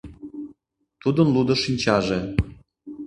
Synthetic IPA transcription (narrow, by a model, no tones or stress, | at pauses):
t̪ud̪ənlˠud̪ŏʃinʲt͡ɕɑʒe